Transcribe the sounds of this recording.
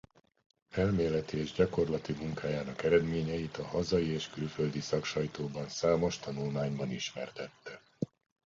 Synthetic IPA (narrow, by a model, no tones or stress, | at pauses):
ɛlmeːlɛt̪ieːʒɟɒko̞rlɒt̪imuŋkaːjaːnɒkɛɾɛd̪meːɲɛjit̪ɒhɒzɒjieːʃkylføld̪isɒkʃɒjt̪oːbɒnsaːmo̞ʃt̪ɒnulmaːɲbɒniʃmɛ̰rt̪ɛt̪ːɛ